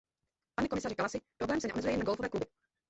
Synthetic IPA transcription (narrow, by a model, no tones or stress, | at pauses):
paɲɛkomɪsarikalasɪpɾoblɛːmsɛɲɛʔomɛzujɛjɛnaɡolfovɛːklubɪ